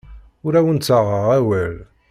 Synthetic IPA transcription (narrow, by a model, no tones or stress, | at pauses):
ʊɾæwənt͡sːəʁəʁæwæl